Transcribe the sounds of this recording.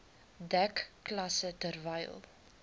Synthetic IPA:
dækːlɐsətərvɛjlˠ

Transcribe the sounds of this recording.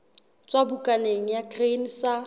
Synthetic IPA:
t͡sʼabʊkʼaneŋ̩jakren̩sa

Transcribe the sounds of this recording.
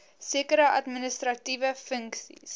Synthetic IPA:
siəkəɾəʔɐdminəstrɐtivəfəŋksḭs

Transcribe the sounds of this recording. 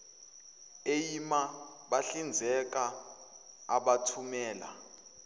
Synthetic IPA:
ejima | ɓaɬind͡zʱɛk̬ʼaː | ɓatʰumɛːla̰

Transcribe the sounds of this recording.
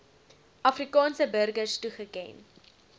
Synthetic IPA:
ʔɐfrikɑːnsəbərɡərstuχəkɛ̰n

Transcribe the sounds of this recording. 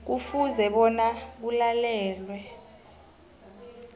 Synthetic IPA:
k̬ufuzɛɓɔnak̬ulalɛːlwɛ

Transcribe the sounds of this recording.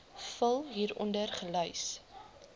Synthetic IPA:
fəlˠɦiːɾɔ̰ndərχəlœɥs

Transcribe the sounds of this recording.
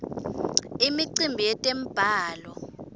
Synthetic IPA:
imiǀimbʱijɛtʼem̩b̥ʱaːlɔ

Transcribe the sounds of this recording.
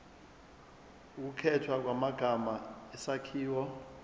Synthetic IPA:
uk̬ukʰɛtʰwak̬wamaɡ̥ʱamaɛsakʰiːwɔ

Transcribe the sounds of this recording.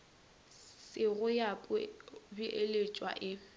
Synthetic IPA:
sɪɣʊjapʼʊbiʔelet͡ʃʼwa̰ʔɪ

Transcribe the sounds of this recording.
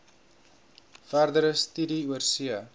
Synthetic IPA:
færdəɾəst̪ydiuərsiə

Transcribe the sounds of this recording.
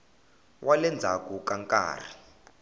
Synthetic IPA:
wʔalɛnd͡zʱakukaŋkʼa̰ːr̤i

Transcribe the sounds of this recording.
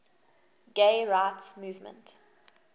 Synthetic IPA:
ɡ̥eɪɹaɪtsmuːvmə̰̃nt

